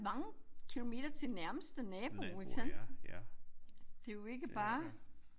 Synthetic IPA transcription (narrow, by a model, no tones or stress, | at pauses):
mɑ̈ŋəkʰilo̝me̝̰ːd̥ɐt͡sʰe̝næɐməsd̥ənɛːb̥o̝eɡ̥sen̰b̥̩ | d̥e̝joe̝ɡ̥əb̥ɑ̈ː